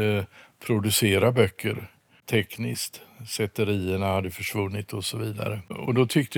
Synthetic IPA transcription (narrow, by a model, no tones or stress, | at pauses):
pʰɾʊd̪ɵseːɾabœkːəɾ | t̪ʰɛknɪst̪sɛt̪ːəɾiːəɳahad̪ːəfœʂvɵnːɪt̪ɔsɔviːd̪a̰ɾəɔd̪ɔt̪ʰʏk̚t̪ə